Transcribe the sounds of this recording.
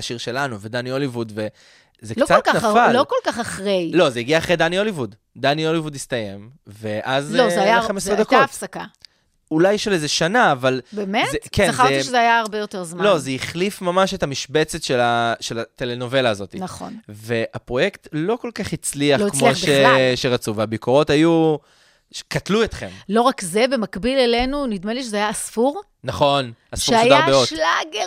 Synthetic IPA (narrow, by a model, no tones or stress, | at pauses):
aʃiʁʃe̞lanuved̪aniolivudve | zeklkot͡satkanafalokolaχɐχʁejlo̞zejiɡiaːχʁed̪anio̞livud | daniolivudistaje̞mve̞ʔazozajaχamesʁed̪akoafsaka | ulajɛʃalezeʃanaːvalbemeetkenχaʁeiʃʃezeajaːʁbejoteʁzmalo̞zeiχlifmamaʃetamiʃbet͡se̞tʃelaʃelat̪eleno̞ve̞laːzo̞t̪inaχo̰nve̞apʁo̞jektlo̞ko̞lkaχit͡sliaχkmoʃeʃeʁat͡suveabikoʁo̞taju | ʃkatluetχe̞mlo̞ʁakze̞be̞makbilelenunid̪meliʃezeajaːsfuʁ | naχo̞nasfʃuajaʁbeotlaɡe